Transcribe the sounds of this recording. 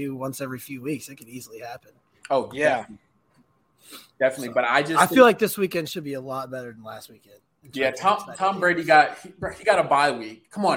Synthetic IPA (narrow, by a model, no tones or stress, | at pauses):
ʉwʌ̃nsɛvɹifjʉwiksɨt̚kʰɨ̃nizl̩ˠihæpɨ̃n | oʊjæ | d̥ɛfənɨtˡlibʌɾa̰ɪd͡ʒʌsaɪfilaɪk̚ðɪswikɛ̃nd̥ʃɨd̚biɨlɔt̚b̥ɛɾə˞ð̃n̩læst̚wikɛ̃nd̥ | jætʰɑ̃tʰɑ̃mbɹeɪɾiɡɑt̚hihiɡɑɾəbaɪwikʰːʌ̃mə̃